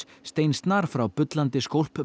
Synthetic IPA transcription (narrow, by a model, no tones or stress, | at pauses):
st̪ejnst̪naɾ̥fɾawpʏt̪lant̪ɪskowl̥p